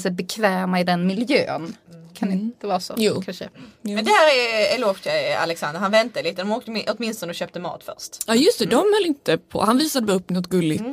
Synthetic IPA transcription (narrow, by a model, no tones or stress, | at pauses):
sɛjbɛkʰvɛːmaɪd̪ɛnmɪljø̰ːnkʰand̪̥ɛvɑːsɔ̰juːkʰanʂə̰mɛnd̪ɛhæːɾɛɛloːft̪ʰɛa̰lɛksand̪əɾhanvɛnt̪aliːt̪ːəd̪ɔmoːk̚t̪əmʔɔt̪mɪnst̪ɔnɔɕøːp̚t̪əmɑ̰ːt̪fœ̰ɾʂt̪ɑːjɵst̪ɛd̪ɔmhœlːɪnt̪əpʰɔ̰hanviːsad̪əvɛɵpːnɔt̪̚ɡɵlːɪt̪